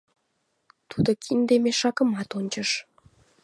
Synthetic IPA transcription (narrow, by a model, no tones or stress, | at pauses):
t̪ud̪okʰind̪emeʃɑkəmɑt̪onʲt͡ɕəʃ